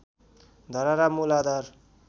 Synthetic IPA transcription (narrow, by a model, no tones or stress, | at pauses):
d̪ʱʌɾaɾamulad̪aɾ